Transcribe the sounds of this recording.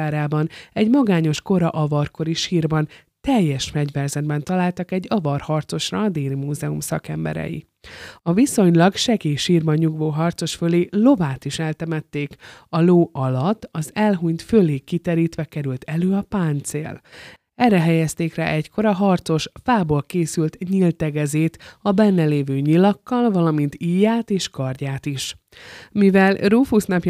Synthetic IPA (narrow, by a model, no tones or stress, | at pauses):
aːɾaːbɒnɛɟmɒɡaːɲo̞ʃko̞ɾɒʔɒvɒrko̞ɾiʃiːrbɒn | t̪ɛjːɛʃfɛɟvɛrzɛd̪̚bɛn̪t̪ɒlaːlt̪ɒkɛɟːɒvɒrhɒrt̪so̞ʃrɒːd̪eːlimuːzɛumsɒkɛmbɛ̰ɾɛ̰jḭ | ɒviso̞ɲlɒɡʃɛɡeːʃiːrbɒɲːuɡvoːɦɒrt̪so̞ʃføleːlo̞vaːt̪iʃɛlt̪ɛmɛt̪ːeːkɒloːʔɒlɒt̪ːɒzɛlɦuɲt̪føleːkit̪ɛɾiːt̪ʋɛkɛɾylt̪ɛløːɒpaːnt̪sḛːl | ɛrːɛɦɛjɛst̪eːkra̰ːʔɛcko̞ɾɒɦɒrt̪so̞ʃfaːboːlkeːsylt̪ɲilt̪ɛɡɛzeːt̪ɒbɛnːɛleːvøːɲilɒkːɒlvɒlɒmint̪iːjaːt̪eːʃkɒrɟaːt̪iʃ | mivɛlrufusnɒpj